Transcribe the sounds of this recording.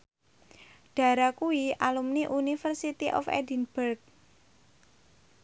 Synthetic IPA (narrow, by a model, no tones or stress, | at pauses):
ɖ̥ä̤ɾakuiʔalumniʔunifərsit̪iʔɔ̰fɛ̰dinb̥ərk̚